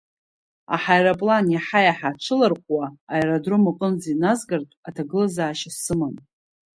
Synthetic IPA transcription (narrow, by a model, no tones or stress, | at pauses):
a̰ħajrapʼlanaħajaħaʈ͡ʂʷʰɨlarqʷʼwaːjradrʊmɨqʼənd͡zinazɡartʼatʰaɡɨlazaːʃasɨman